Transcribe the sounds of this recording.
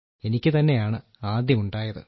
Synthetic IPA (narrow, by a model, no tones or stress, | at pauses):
e̞nikʲːɨt̪ɐnːe̞jaːɳɨ | aːd̪ʱjɐmuɳɖaːjɐðɨ̰